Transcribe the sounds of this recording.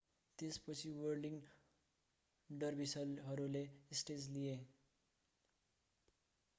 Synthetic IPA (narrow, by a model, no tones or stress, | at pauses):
t̪espʌt͡sʰiwʌrɖiŋ | ɖʌrbisʌlɦʌɾulesʈed͡zlije